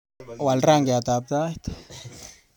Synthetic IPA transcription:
wa˨lra˦ŋɡe˨a˨t̪a˨p̚t̪a˦t̪

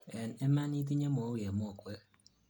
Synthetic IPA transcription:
e˨ne˦ma˦ni˦t̬i˦ɲe˦mo˨˦wje˨mo˦o˨kʷe˦k

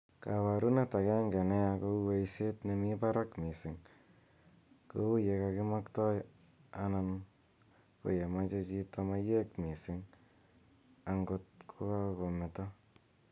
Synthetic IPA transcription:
ka˨wa˨ɾu˦ne˦ta˨kɛ˦ŋɡe˨ne˦a˧ko˦we˦jse˦tne˧mi˦pa˦ɾa˦kmi˨sɪ˨ŋ | ko˦u˦je˧ka˧kɪ˦ma˦ktɔ˦j | anan | ko̰˨je˨ma˦t͡ʃe˧t͡ʃi˧to˧ma˦je˦kmi˨sɪ˦ŋ | a˨ŋɡo˧t̚kʰo˦ka˦ko˨me˨tɔ

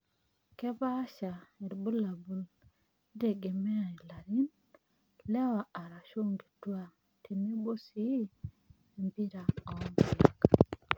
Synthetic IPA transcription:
kɛ˦ba˦ʃa˨e˨ɾbu˦la˨bu˨l | de˨ɡe˨mɛ˦a˨la˨ɾi˦n | lɛ˦wa˨a˨ɾa˨ʃo˦ŋɡi˨twa˦ | tʰe˨ne˦bo˦si˦ | e˨mbi˦ɾa˨a˨ɔ˦m˨a˨k

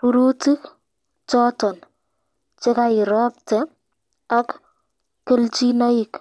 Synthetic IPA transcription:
puɾu˦ti˦k | t͡ʃɔtɔ˨n | t͡ʃɪ˦kaɪ˨ɾɔp̚tɛ | a˦kː | e˦lt͡ʃina˦ik

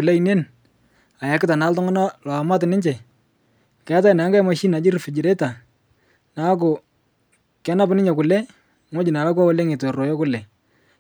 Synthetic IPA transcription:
ʊ˨la˦i˨ne˦n | a˨ja˨kɪ˦ta˨na˨˦ltɔ˦ŋɔ˦na˦lɔ˨a˨ma˦t̬ɪ˨nɪ˦ɲt͡ʃɛ˨ | kɛ˦t̬a˦˨na˨˦ŋɡa˦jma˨ʃi˦na˨d͡ʒɪ˦rfɪ˨d͡ʒɪ˨ɾe˦ta˨ | na˨˦k̬ʊ˨ | kɛ˦na˦p̬nɪ˦ɲɛ˨kʊ˨lɛ˦ | ŋo˦d͡ʒɪ˨na˨la˦k̬a˦ɔ˦le˦ŋe˨to˨ro˨jɔ˦kʊ˦lɛ˨

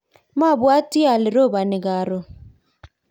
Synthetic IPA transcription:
ma˦˨bwa˦ti˦a˨lɪ˨ɾo˦˨ba˨nɪ˨ɡa˨ɾo˨

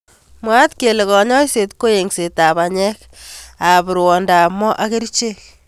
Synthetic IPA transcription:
mwa˦t̪ke˨le˨kɔ˨ɲɔ˦i˦se˨tko˦je˨ŋse˨ta˨βa˨ɲɛ˦k | a˨βɪ˨ɾwɔ˨nda˨mɔ˦ʔa˦ke˦ɾi˦t͡ʃe˦k̚

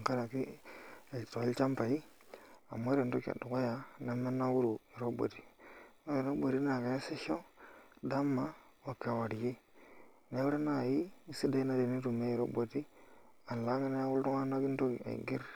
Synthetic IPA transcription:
ŋka˦ɾa˨ki˦e˨to˨e˦lt͡ʃa˦mpa˨i˦ | a̰˨mːo˦ɾe˨nto˦ka̰˨du˨ko˦ja˨na˦me˦nːa˦wu˦ɾu˨i˨ɾo˦bo̰˨ti˦no˦i˨ɾo˦bo˨ɾi˦na˨ka˨je˦se˦ʃo˦da˦mːa˨ | wa˨ka˨wa˨ɾi˨ji˦ | na˦wu˦ɾe˦na˦˨ji˦si˦da˦i˦na˦ɾe˨ni˦ɾu˨me˦i˨ɾo˦bo˨ti˦ | a˨n˨la˦ŋi˦na˦ja˦wu˦lto˦ŋa˦na˦ki˦n˦to˦˨a̰˨ḭ˨ɡi˦ɾ

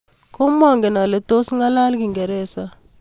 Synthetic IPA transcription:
ko˦mɔ˦˨ŋɡe˨na˨le˨to˦sŋa˦la˦lki˨ŋɡɛ˨ɾɛ˦sa˦

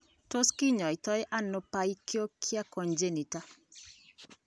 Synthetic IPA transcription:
to˦ski˦ɲɔ˨ɪ˨t̪ɔ˦jɪ˦ʔa˦nːʊ˨˦pa˦i˦kjo˦kʰja˦kɔ˨nd͡ʒe˦ni˨ta˦

